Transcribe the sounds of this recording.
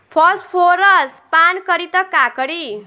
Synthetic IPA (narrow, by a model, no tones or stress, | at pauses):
pʰʌspʰoɾʌspankʌɾit̪ʌkakʌɾi